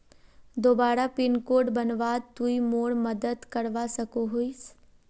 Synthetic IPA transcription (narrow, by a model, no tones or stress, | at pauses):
d̪oːbaːɾapɪnkoːɖbɐnʋaːd̪̚t̪uimoːɽməd̪əd̪kɐɾʋasɐkoɦois